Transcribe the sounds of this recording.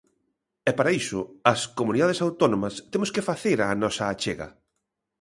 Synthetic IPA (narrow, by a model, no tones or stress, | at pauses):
ɛpaɾaisʊɐskomuniðað̞esawt̪ɔnomɐst̪emʊskefaθeɾanɔsɐːt͡ʃeɣɐ̰